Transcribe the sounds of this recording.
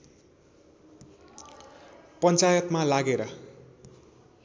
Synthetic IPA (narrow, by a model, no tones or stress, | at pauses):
pʌnt͡sajʌt̪malaɡeɾʌ